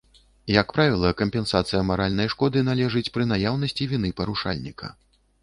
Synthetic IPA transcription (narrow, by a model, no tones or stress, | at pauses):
jɐkpɾavʲilˠɐkɐmʲpʲɛnsat̪sɨjɐmaɾalʲnɐjʂkɔd̪ɨnalʲɛʐɨt͡sʲpɾɨnajawnɐsʲt͡sʲivʲinɨpɐɾuʂa̰lʲnʲikʰɐ̰